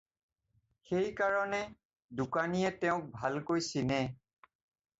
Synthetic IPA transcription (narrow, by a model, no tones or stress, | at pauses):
xejkaɹɔnɛ | dukanijɛtɛʊ̃k̚bʱalkojsinɛ